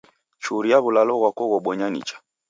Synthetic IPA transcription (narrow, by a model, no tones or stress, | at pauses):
t͡ʃuɾijaβulalɔɣwakɔɣɔɓɔɲanḭt͡ʃḁ